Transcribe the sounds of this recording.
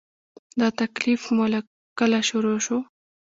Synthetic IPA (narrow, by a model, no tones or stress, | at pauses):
d̪ɑt̪aklifmola | kəlaʃuɾoʃo